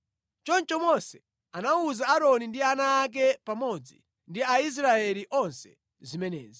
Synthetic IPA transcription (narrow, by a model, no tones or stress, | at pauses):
t͡ʃɔnt͡ʃɔmɔsɛ | anauzaːɾɔnindianaːk̬ɛpamɔd͡zḭ | ndiais̬ɾaɛliʔɔnsɛ̥̰ | zimɛnɛ̰ːzi